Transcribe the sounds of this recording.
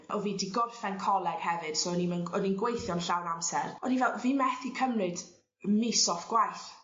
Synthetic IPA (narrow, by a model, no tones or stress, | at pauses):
ʔɔviːdiɡɔrfɛnkʰɔlˠɛɡ̥hɛvɨd̥sonimənɔninɡwejθjɔnɬawnamsɛrɔnivɛlˠviːmɛθikʰəmrɨd | misɔfɡ̥wajɬ